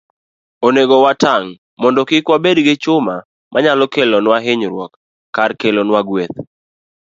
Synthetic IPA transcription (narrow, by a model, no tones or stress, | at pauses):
oneɡɔwataŋ | mɔndɔkɪkwabedɡɪt͡ʃʊma | mʔaɲalɔkelɔnwaɦɪɲɾwɔkː | arkelɔnwaɡwet̪̚